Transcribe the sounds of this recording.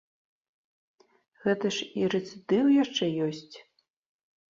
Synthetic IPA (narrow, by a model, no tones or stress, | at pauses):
ɣɛt̪ɐʂiɾɛt̪sʲɨd̪ɨwjaʂt͡ʂɛjɔsʲt͡sʲ